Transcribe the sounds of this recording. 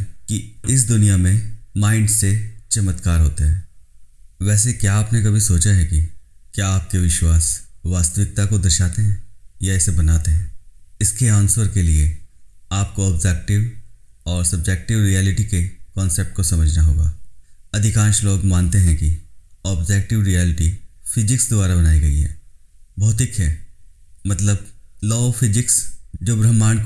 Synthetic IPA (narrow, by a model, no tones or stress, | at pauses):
kiɪs̬d̪ʊnijamẽmãːɪ̃ɳɖset͡ʃɐmət̪kaːɾɦoːt̪eɦɛ̃ː | ʋɛːsekjaaːpnek̬ɐbʱisoːt͡ʃaɦɛkikjaːp̚keʋɪʃwaːsʋaːst̪əʋɪk̚t̪akod̪ɐʃaːt̪eɦɛ̃ːjaɛsebɐnaːt̪eɦɛ̃ːɪskeãːnsəɾkelieaːp̚koɔːbd͡ʒɛk̚ʈɪʋɔːɾsɐb̚d͡ʒɛːk̚ʈɪʋɾijɛːlɪʈikekɔ̃ːnsep̚ʈ̚kosɐməd͡ʒʱnaɦoːɡa̰ːɐd̪ʱɪkãːnʃloːɡmãːnt̪eɦɛ̃kiɔːbd͡ʒɛːk̚ʈɪʋɾijɛːlɪʈifɪd͡ʒɪksd̪ʊaːɾabɐnaːiɡɐḭɦɛ̰ːbɔːt̪ɪkɦɛː | mɐt̪ləblɔːfʰɪd͡ʒɪksd͡ʒoːbɾɐmːaːñk